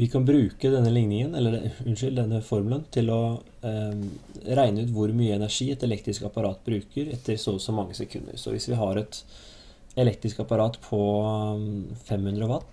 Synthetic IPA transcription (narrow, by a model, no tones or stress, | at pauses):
ʋɪkʰɑnbɾʉːkəd̪ɛnːəlɪŋnɪŋənɛlːəʉnʂʏld̪ɛnːəfɔɾmʉːlənt̪ʰɪlɔ | ɾæɪnəʉːt̪ʋʊɾmyːəɛnæʂiːɛt̪ɛlɛk̚t̪ɾɪskɑpɑɾɑːt̪̚bɾʉːkəɾɛt̪ʰːəɾsɔsɔmːɑŋːəsɛkʰʉ̰nːə̰ɾsɔ̰ʋɪ̰sʋɪɦɑɾɛt̪ | ɛlɛk̚t̪ɾɪskɑpɑɾɑːt̪pʰɔ | fɛmhʉnd̪ɾəɔʋɑt̪ː